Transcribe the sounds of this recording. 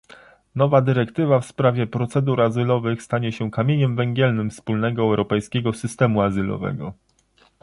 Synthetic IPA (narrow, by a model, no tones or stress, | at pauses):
nɔvad̪ɘɾɛkt̪ɘvafspɾavʲjɛpɾɔt̪sɛd̪uɾazɘlɔvɘxst̪aɲɛɕɛkamʲjeɲɛmvɛŋɡʲɛlnɘmfspulnɛɡɔɛwɾɔpɛjskʲɛɡɔsɘst̪ɛmuazɘlɔ̰vɛ̰ɡɔ